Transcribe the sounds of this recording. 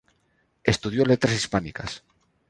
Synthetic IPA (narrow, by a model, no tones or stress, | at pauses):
e̞st̪uð̞jo̞let̪ɾasispanika̰s